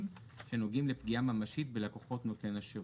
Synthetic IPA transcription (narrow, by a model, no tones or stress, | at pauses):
m | ʃeno̞ɡimle̞pɡiamamaʃitbelako̞χo̞tno̞tenaʃe